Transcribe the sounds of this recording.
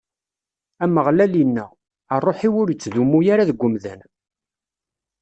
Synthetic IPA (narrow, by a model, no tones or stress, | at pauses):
æməʁlælinːæː | rˤːoħiwʊɾjət͡sːðumːujaɾaðəɡʷːʊmðən